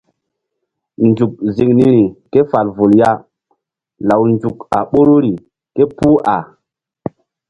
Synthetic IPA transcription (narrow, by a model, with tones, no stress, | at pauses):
nd͡ʒu˨k̚zi˨ŋni˦ɾi˨ke˦fa˨lvu˨lja˦ | la˨wnd͡ʒu˨ka̰˨ɓo˦ɾo˦ɾi˨ | ke˦puː˦ʔa˨